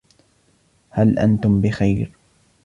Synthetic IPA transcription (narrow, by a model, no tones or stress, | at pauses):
halʔa̰nt̪ʊmbɪxajɾ